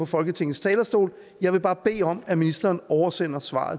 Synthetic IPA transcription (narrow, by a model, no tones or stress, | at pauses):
ɒ̽fɒ̽lɡ̥ət͡sʰe̝ŋ̰n̩st͡sʰɛːlɐsd̥o̝̰ːl | jɑ̈ɪʋe̝b̥ɑ̈ːb̥e̝̰ːɒ̽mæminisd̥ɐːnɒʊɐsen̰ɐsʋɑ̰̈ːð̩ˠ